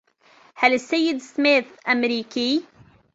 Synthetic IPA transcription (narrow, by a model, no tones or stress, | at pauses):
halɪsːajːɪd̪smeːθʔamɾiːki